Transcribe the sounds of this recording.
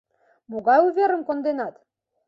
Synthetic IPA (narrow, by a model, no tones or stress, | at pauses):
moɣɑjuvʲeɾə̆mkond̪enɑt̪